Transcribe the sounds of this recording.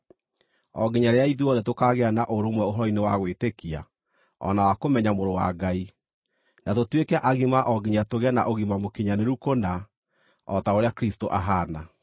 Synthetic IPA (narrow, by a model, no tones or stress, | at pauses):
ɔɡiɲaɾeaiðiɔðɛtokaɣeanaʔoɾomwɛoɦɔɾɔinewaɣwetekia̰ | ɔ̰nawakomɛɲamoɾowa̰ɡai | nʔatotwekɛʔaɣimaʔɔɡiɲatoɣɛna̰ʔoɣimamokiɲaneɾukona | ɔtaoɾeakɾistoʔaɦaːna